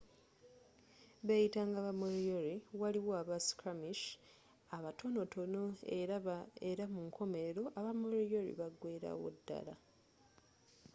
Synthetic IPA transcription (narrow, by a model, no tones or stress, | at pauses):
βejitaŋɡaβamoɾijoɾiwaliwoaβasi̥kamiʃ | aβatʰo̞no̞to̞noeeɾamuŋkʰo̞me̞eɾo̞ʔaβamoɾijoɾḭβaɡwe̞ːɾa̰wo̰dːa̰la̰